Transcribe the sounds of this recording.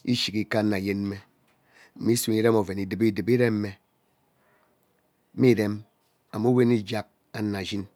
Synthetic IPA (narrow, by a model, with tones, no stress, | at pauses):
i˦ʃi˨ki˦ka˦na˨je˦nm̩˦me˦ | m̩˨˦mi˦su˨ŋi˦ɾe˦mo˨ve˨ni˨di˨bi˦˨di˨bi˦ɾe˦m̩˦me˦ | mi˦˨ɾe˦m | a˨mu˦we˦ni˦d͡ʒa˦k̚ | a˦na˨d͡ʒi˦n